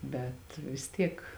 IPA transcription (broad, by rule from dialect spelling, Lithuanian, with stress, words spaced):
ˈbʲɛt ʋʲɪs ˈtʲiɛk